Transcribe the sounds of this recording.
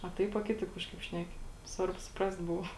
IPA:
ɐ ˈtɐɪp ɐ ˈkʲɪtɐɪp ˈkɑːʃkɐɪp ˈʃʲnʲæːkʲɪ ˈsʋɐrbʊ sʊˈprɐst ˈbʊʋɐ

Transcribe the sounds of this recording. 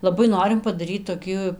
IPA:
lˠɐˈbɐɪ ˈnoːrʲɪm pɐdɐˈrʲiːt toːˈkʲiː

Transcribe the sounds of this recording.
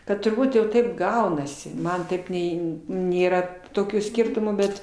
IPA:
ˈkɐt tʊrˈbuːt jɛʊ ˈtɐɪp ˈɡɐʊnɐsʲɪ ˈmɐn ˈtɐɪp ˈnʲɛɪ nʲeːˈrɐ toːˈkʲuː ˈsʲkʲɪrtʊmuː ˈbʲɛt

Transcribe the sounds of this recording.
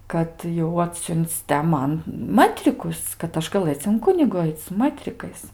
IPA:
kɐt jɛʊ ˈɑːtʲsʲʊnʲt͡sʲ tʲɛ ˈmɐn ˈmətʲrʲɪkʊs kɐt ˈɐʃ ɡɐˈlˠɘt͡s ɪn ˈkʊnʲɪɡʊ ˈɐɪt͡s sʊ ˈmətʲrʲɪkɐɪs

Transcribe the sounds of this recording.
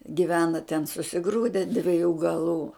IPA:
ɡʲɪˈʋʲæːnɐ tʲɛn sʊsʲɪˈɡruːdʲɛ dʲʋʲɪˈjuː ɡɐˈlˠuː

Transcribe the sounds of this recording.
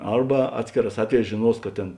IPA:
ˈɐrbɐ ˈɑːtʲsʲkʲeːˌrɑːs ˈɑːtʲʋʲɛˌjɛːs ʒʲeːˈnuɔs kɐt ˈtʲeːn

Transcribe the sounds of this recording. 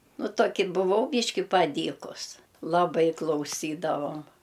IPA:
ˈnʊˈtoːkʲɪ bʊˈʋɐʊ ˈbʲiːʃʲkʲɪ pɐˈdʲiːkʊs lˠɐˈbɐɪ klˠɐʊˈsʲiːdɐʋoːm

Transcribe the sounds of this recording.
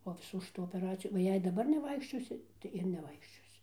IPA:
poː ɪˈsuː ʃʲɪˈtuː oːpʲɛˈrɑːt͡sʲɪjuː oː ˈjɛɪ dɐˈbɐr nʲɛˈʋɐɪkʃʲt͡ʃʲoːsʲɪ tɐɪ ɪr nʲɛˈʋɐɪkʃʲt͡ʃʲoːsʲɪ

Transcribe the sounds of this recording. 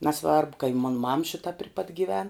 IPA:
nɐˈsʋɐrbʊ kɐ ɪ moːn mɐm ˈʃʲɪtɐ pʲrʲɪ pɐt ɡʲiːˈʋʲɛn

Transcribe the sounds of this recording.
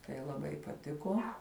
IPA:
tɐɪ lˠɐˈbɐɪ pɐˈtʲɪkoː

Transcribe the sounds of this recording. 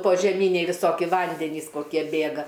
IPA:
poːʒʲɛˈmʲiːnʲɛɪ ʋʲɪˈsoːkʲɪ ˈʋɐnʲdʲɛnʲiːs koːˈkʲiɛ ˈbʲeːɡɐ

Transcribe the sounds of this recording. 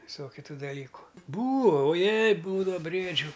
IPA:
ʋʲɪˈsoːkʲʊ ˈtuː dɐˈlʲiːkʊ ˈbuːoː oː ˈjɛɪ ˈbuːdɐʋɐ ˈbʲrʲiɛd͡ʒʲʊ

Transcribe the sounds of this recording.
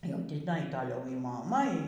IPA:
jɛʊ tʲɪˈnɐɪ toːˈlʲɛʊ iː moːˈmɐ iː

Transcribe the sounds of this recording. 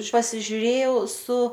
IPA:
pɐsʲɪʒʲʊˈrʲeːjɛʊ sʊ

